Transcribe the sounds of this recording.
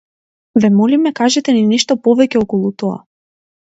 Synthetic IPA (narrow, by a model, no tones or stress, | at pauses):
vɛmɔlimɛkaʒɛt̪ɛninɛʃt̪ɔpɔvɛcɛɔkɔlˠut̪ɔa̰